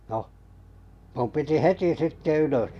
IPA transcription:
noh mum piti heti sitːe yløs

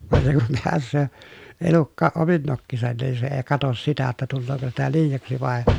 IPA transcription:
ʋɑn se kum peæsˑøː elukːɑːʔ ʔomin nokːisɑn niːn se eː kɑtos sitæ tːæ tulːoːko sitæ liːjɑksi ʋɑˑe

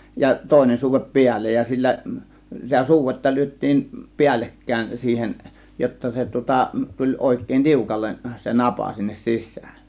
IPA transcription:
jɑ toˑe̝nen suːʋep piælːej jɑ silːæ sitæ suːʋetːɑ lyøtˑiːm piælːekːæˑe̝n siːhen jotːɑ se tŭŏtɑ tulʲ oˑe̝kˑeˑĭn tiukɑlːen se nɑpɑ sinːes sisˑæ̥ːn

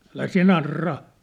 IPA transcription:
ælæ siæ̝ nɑrːɑː

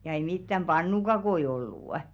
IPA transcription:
jɑ ei mitːæm b̥ɑnːukɑkoi olːuˑ

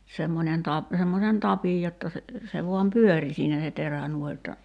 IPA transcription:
semːonʲen tɑp semːosen tɑpij jotːɑ se se ʋuɑm pyøri siːnæ se teræ nuoĭ jotːɑ

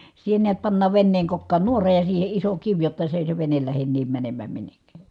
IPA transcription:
siːhe niæt pɑnːɑːʋ ʋenːeːŋ kokːɑːn nuorɑ jɑ siːhe iso kiʋ jotːɑ se eˑi se ʋenel læhen niːm mænemːæːm minːekːæˑ

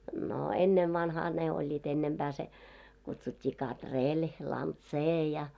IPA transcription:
no enːeʋːɑnhɑː ne olʲːiːt enːemb̥æː se kutsutʲːiː kɑtrelʲ lɑntseː jɑ

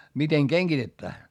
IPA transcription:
miteŋ keŋɡ̊itetːæː

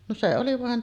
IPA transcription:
no se oli ʋɑˑen

